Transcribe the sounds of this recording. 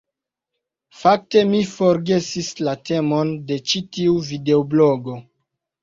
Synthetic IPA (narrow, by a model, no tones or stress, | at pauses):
fak̚te̞mifo̞ɾɡe̞sislate̞monde̞t͡ʃitiuvide̞obloɡo̞